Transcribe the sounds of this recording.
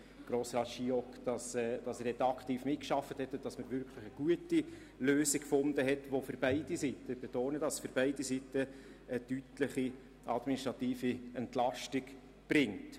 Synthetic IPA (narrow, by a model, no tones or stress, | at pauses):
ɡ̥ɾoːsrɑːtʃiɔkd̥ɑsɛd̥ɑsɛrdɛt̪ɑkχtiːfmɪt̚kʃɑfːəthɛtːʊntd̥ɑsməɾvʏɾkʰləχəɡ̥uəti | løːsikfʊndəɦɛtʋofʏɾb̥æɪd̥isitːəb̥ɛtoːnədɑsfʏɾb̥æɪdisitːə | əd̥ytlɪχi | ʔɑdminiʃtɾɑtiːfiɛntlɑʃtɪɡ | b̥ɾɪŋt